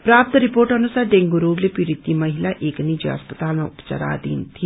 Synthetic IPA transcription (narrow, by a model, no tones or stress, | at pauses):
pɾaːpt̪ɾipoːɾʈɐnusaːɾɖẽŋɡoɾoːɡlepiɾit̪imɐɦilaʔeːknid͡ʒeɐ̰spət̪aːlmãupt͡ʃɐ̰ɾa̰ːd̪ḭːnt̪ʰi